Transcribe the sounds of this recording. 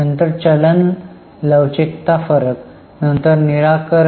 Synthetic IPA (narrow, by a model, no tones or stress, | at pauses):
ənt̪əɾt͡ɕələn | ləʋt͡ɕikt̪afəɾək | nənt̪əɾniɾakəɾ